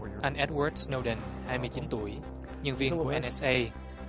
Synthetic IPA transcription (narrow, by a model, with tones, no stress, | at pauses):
ʔa˧nʔɛ˦˥t̚wəː˧˩d̚sno˧wɗə˧˩nhaː˧jmɨ˧jt͡ɕi˨˦nt̪u˧˩əj | ɲə˧nvi˧ŋu˧˩əʔɛ˧nɛ˦˥sʔə˧j